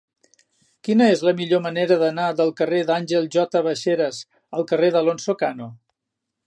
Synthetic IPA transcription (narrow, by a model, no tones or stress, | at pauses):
kinəezləmiʎoməneɾəðənaðəlˠkəreðanʲʒelˠʒɔt̪əβəʃeɾəz | əlˠkəreðəlonsokano